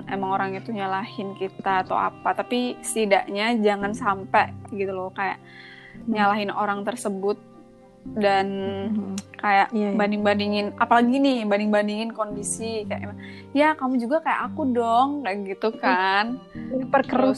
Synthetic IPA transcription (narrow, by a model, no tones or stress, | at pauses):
emaŋoɾaŋjat̪uɲalahɪnkit̪aːt̪a̰wa̰pat̪apisə̥t̪idaʔɲad͡ʒaŋansampɛɡit̪ulokaja̰ʔ | ɲalaɦɪnoɾaŋt̪ərsəbʊt̪̚ | dan | kajaʔbandɪŋbandiŋɪnapalaɡinɪhbandɪŋbandiŋɪnkondisikaja̰ʔemaŋ | jakamud͡ʒuɡakaja̰ʔakudɔŋkaʔɡit̪ukanipərkəɾʊ